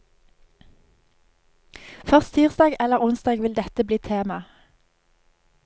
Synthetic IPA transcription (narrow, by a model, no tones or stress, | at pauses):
fœʁst̪ʰiːʁsd̪ɑːɡɛləʁʊnsd̪ɑːɡʋɪld̪ɛt̪əbliːt̪ʰeːmɑ